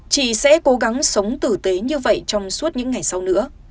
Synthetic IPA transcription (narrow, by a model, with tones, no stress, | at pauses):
t͡ɕḭ˧˨sɛ̰˧˥ko˨˦ɣa˨˦ŋsə˨˦wŋ͡mt̪ɨ˨˩t̪e˨˦ɲɨ˧və̰˧˨jt͡ɕɔ˧wŋ͡msu˦˥ət̚ɲɨ̰˧˥ŋːa˨˩jsa˧wnɨ̰˧˥ə